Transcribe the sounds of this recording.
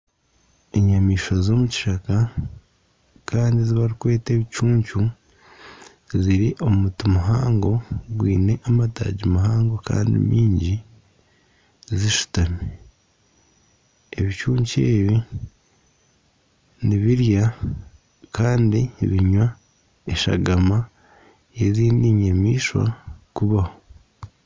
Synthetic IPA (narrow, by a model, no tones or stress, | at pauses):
e̞ɲamiːʃozo̞ːmuci̥ʃaka | kʰaːndiziβaɾikwe̞ːte̞ːβit͡ʃuːɲcu | ziɾiʔo̞mmutimuɦaːŋɡo̞ɡwiːne̞ʔamata̰ːɟimaɦaːŋɡo̞ka̰ːndḭmʔiːɲɟi | ziʃu̥tani | eβit͡ʃuːɲct͡ʃeːβi | niβiɾja | kaːndiβiɲwa | eʃa̰ɡama | eziːndiɲemiːʃwa̰kuβaho